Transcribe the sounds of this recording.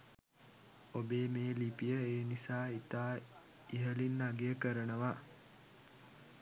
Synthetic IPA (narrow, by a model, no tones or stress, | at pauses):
obeːmeːlipijəeːnisaːit̪aː | iɦəlinːaɡejəkəɾənəʋa